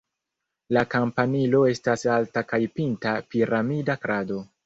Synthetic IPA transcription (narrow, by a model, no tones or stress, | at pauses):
lakampanilo̞e̞stasaltakajpintapiɾamidakɾado̞